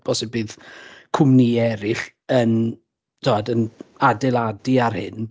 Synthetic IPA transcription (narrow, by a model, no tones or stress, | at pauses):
b̥ɔsɛbɨðkʰʊmniɛɾɪɬ | ən | tʰowadənadɪlˠadiarhɪ̰n